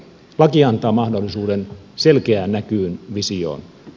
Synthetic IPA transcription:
lɑkiɑnt̪ɑːmɑhdolːisuːden | se̞lkeæːnːækyːnʋisio̰ːn

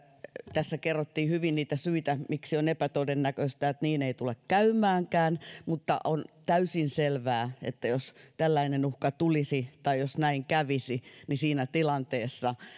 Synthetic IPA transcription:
t̪æsːækerːot̪ːiːhyʋinniːt̪æsyit̪æmiksionepæt̪oidenːækøst̪æet̪niːneit̪ulekkæymːˑæːŋkæːnmut̪ːɑ̰ʔont̪æysinselʋæːḛt̪ːæjost̪ælːæinenuhkɑt̪ulisit̪ɑijosnæiŋkæʋisinisiːnæt̪ilɑnt̪eːsːɑ

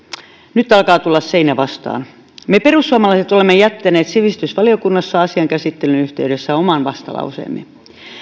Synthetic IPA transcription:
nyt̪ɑlkɑːt̪ulːɑsseinæʋɑst̪ɑ̰ːn | meperusːuɑmɑlɑiset̪olemːejæt̪ːæneːt̪siʋist̪ysʋɑliokunːɑsːɑɑsiɑŋkæsit̪ːelynyht̪eyɾesːæomɑnʋɑst̪ɑ̰lɑ̰usḛːmːḛ

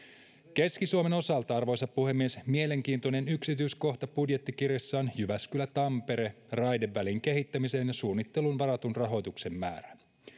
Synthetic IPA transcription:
ke̞skisuome̞no̞sɑlt̪ɑɑrʋo̞jsɑpːuhe̞mːie̞smiele̞ŋk̟iːnt̪one̞nyksit̪yjsko̞ht̪ɑpudje̞t̪ːikirjɑsːɑːnjyʋæskylæt̪ɑmpe̞ɾe̞ | rɑjde̞ʋːæliŋke̞ɦit̪ːæmise̞ːnjɑsuːnːit̪ːe̞lunʋɑɾɑt̪unrɑɦo̞jt̪ukse̞mːæ̰ːɾæ

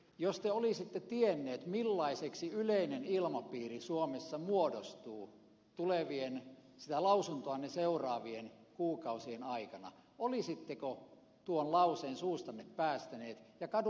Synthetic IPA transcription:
jost̪eolisit̪ːet̪ienːeːt̪milːɑiseksiyleinenilmɑpiːrisuomesːɑmuodost̪uː | t̪uleʋiensit̪ælɑusunt̪oɑnːeseurɑːʋienkuːkɑusienɑikɑnɑ̰ | olisit̪ːeko | t̪uonlɑuseːnsuːst̪ɑnːeppæːst̪æneːt̪jɑkɑd

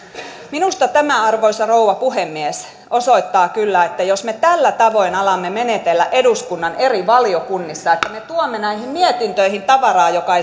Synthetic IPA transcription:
minust̪ɑt̪æmæɑrʋoisʲɑrouʋɑpuhemːies | ʔosoit̪ːɑːkylːæet̪ːæjosmet̪ælːæt̪ɑʋoinɑlɑmːemenet̪elːæʔeduskunːɑneriʋɑlijokunːisːɑet̪ːæmet̪uomːenæihimmiet̪int̪øihint̪ɑʋɑrɑːjokɑe

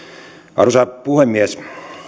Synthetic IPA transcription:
ɑ̰rusɑpuhemːies

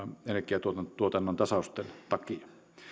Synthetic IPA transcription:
enekˑeæt̪uot̪ɑt̪uot̪ɑnːont̪ɑsɑˑost̪ˑeːnt̪ɑkiɑ

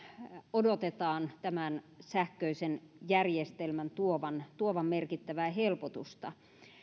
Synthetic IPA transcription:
odot̪et̪ɑːnt̪æmænsæhkøisenjærjest̪elmænt̪uoʋɑnt̪uoʋɑmmerkit̪ːæʋæːɦelpot̪ust̪ɑ̰

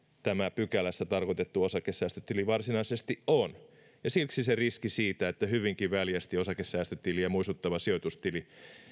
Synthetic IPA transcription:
t̪æmæpykælæsːæt̪ɑrkot̪et̪ːuosɑkesːæːst̪øt̪iliʋɑrsinɑisest̪iʔʔon | jɑsilksiseriskisiːt̪æet̪ːæhyʋiŋkiʋʋæljæst̪iosɑkesːæːst̪øt̪ilijɑmuist̪ut̪ːɑʋɑsiot̪ust̪ili

